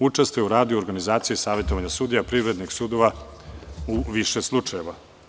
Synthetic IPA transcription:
ut͡ʂest̪vojuɾaːd̪iuoɾɡanizaːt̪sijisaːʋʲje̞t̪o̞ʋaɲasud̪ijapɾivɾe̞d̪nixsuːd̪o̞ʋa | uʋiʃeslˠut͡ʂajeʋa

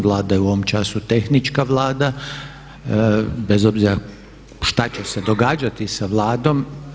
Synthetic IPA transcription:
ʋlˠaːd̪ajeuo̞ʋo̞mt͡ʃasut̪e̞xnit͡ʃkaʋlˠaːd̪a | be̞zo̞bziɾa | ʃt̪at͡ɕese̞d̪o̞ɡaːd͡ʒat̪isaʋlˠaːd̪o̞m

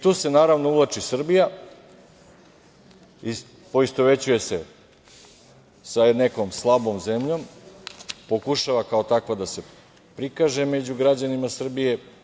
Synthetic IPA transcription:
it̪uːse̞naːɾaʋnouvlˠat͡ʃisr̩bija | i | po̞ist̪oʋe̞t͡ɕuje̞se | sane̞ko̞mslˠabo̞mze̞mʎo̞m | pokuʃaʋakaot̪akʋad̪ase̞ | pɾikaʒe̞med͡ʑuɡɾad͡ʑanimasr̩bije̞

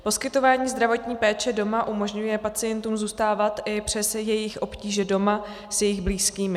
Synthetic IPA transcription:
po̞skɪt̪o̞vaːɲiːzd̪ɾavo̞t̪ɲiːpɛːt͡ʃɛdo̞maʔumo̞ʒɲujɛpat͡sɪjɛnt̪uːmzuːst̪aːvat̪ɪpr̝̥ɛsjɛjɪxʔo̞pciːʒɛdo̞ma | sjɛjɪɣbliːskiːmɪ

